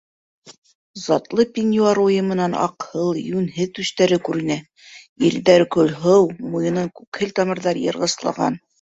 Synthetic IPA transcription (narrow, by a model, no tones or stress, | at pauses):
z̥ɑt̪lˠɤpʲinʲjuɑɾujɤmɤ̆nɑnɑ̰qhɤlˠjʉnɦɘðt̪ʉʃt̪æɾɘkʉɾɘ̆næ | iɾdæɾkɵlɦɤwmujɤ̆nɤɴkʉkhɘlt̪ɑmɤ̆ɾðɑɾjɤ̰̆ɾʁɤ̆slˠɑ̰ʁɑ̰n